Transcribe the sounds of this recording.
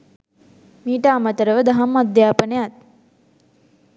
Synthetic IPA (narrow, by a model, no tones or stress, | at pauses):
miːʈəamət̪əɾəʋəd̪aɦamːad̪jaːpənəjat̪̚